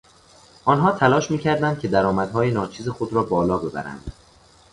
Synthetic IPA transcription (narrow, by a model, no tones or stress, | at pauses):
ʔɒːnɦɒːt̪ʰælɒːʃmiːcʰæɾd̪ænd̪̥̚cʲʰe̞d̪æɾɒːmæd̪̥ɦɒːjenɒːt͡ʃʰiːze̞xo̞d̪ɾɒːbɒːlɒːbe̞bæ̰ɾæ̰nd̪̥